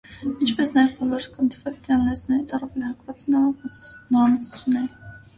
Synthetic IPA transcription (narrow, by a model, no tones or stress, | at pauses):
int͡ʃʰpɛsnɑjɛvbɔlɔɾskɑnd̪ivɛlt̪ɑnnɛsnɛɾit͡sʰɑrɑvɛlihɑkvɑt͡s̪ | nɔɾɑmɑt͡su̥t͡sʰjunːɛɾ